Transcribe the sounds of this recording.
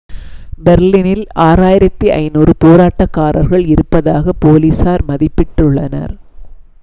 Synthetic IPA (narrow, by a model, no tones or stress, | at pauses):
bɛɾlinɪlaːɾaːjɪɾɐt̪ːiʔɐ̰ɪnuːrɯpoːɾaːʈːɐkːaːɾɐ̰ɾɣɐɭɪɾɯpːɐðaːɣɐpːoːliːsaːɾmɐðɪpːɪʈːʊɭːɐ̰nɐ̰ɾ